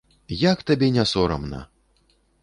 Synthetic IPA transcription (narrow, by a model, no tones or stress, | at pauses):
jakt̪abʲɛnʲasɔɾɐ̰mnɐ̰